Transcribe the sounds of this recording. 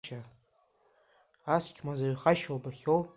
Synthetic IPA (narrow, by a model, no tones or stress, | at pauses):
ʃa | ast͡ʃʰʼmazaɥχaʃowbaχʲow